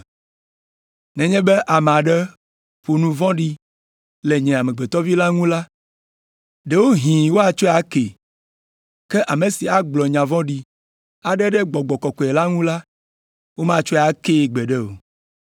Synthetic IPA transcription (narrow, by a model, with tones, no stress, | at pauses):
nɛ̃˨ɲɛ̃˦bɛ˦ʔa˨m˨a˨ɖɛ˦ | ɸo˨nũ˨vɔ̃˦ɖi˦ | le˨ɲɛ̃˨a˨mẽ˨ɡ͡be˨t̪ɔ˦vi˦la˦ŋũ˦la˦ | ɖe˨wo˦ɦĩ˨wo˦a˨t͡ʃo˦˨a˦ke˨ | ke˦ʔa˨me˨si˨a˨ɡ͡blɔ˨ɲã˨vɔ̃˦ɖi˦ | a˨ɖɛ˦ɖɛ˦ɡ͡bɔ˨ɡ͡bɔ˨kɔ˨kɔ˨e˨la˦ŋũ˦la˦ | wo˦mã˦t͡ʃo˦˨a˨ke˦˨ɡ͡bɛ˨ɖɛ˦o̰˨